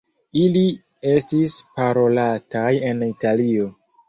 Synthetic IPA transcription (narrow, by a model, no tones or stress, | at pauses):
ili | e̞stispaɾo̞lataje̞nitalio̞